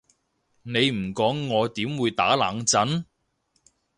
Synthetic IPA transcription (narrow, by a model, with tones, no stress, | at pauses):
ne˨˧jm̩˨˩kɔː˨˥ŋːɔː˨˧t̪iː˨˥mwuː˨˧jt̪a̰ː˨˥laː˨˥ŋt͡sɐ˨˥n